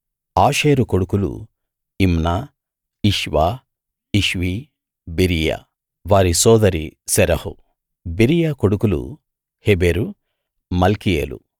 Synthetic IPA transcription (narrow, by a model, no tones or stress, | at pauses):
aːʃeːɾuko̞ɽukulṵ | imnaː | iʃʋaː | iʃʋi | biɾija̰ | ʋaːɾisɔːd̪ɐɾisɛɾɐhṵ | biɾijakoɽukulṵ | hebeɾu | mɐlkijḛːlṵ